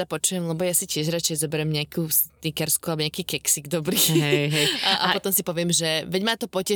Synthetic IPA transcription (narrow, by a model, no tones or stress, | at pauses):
apɔt͡ʃujɛmlɛbɔjasicɪɛʒɾat͡ʃɛjzɔbɛɾɛmɲɪakʰust̪ikɛɾskualbɔɲɪakiːkɛksiɡd̪ɔbɾiːɦɛɦɛʔaɔt̪ɔmsipɔʋɪɛmʒɛʋɛɟmaːt̪ɔpɔcɛ